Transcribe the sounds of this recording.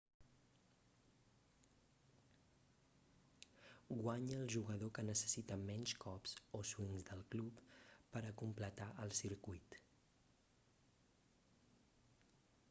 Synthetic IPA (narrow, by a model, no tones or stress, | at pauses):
ɡwaɲəlˠʒuɣəðokənəsə̥sit̪əmɛnʲskɔpsoswinzd̪əlˠklupːəɾəkumplət̪aʔəlˠsiɾkujt̪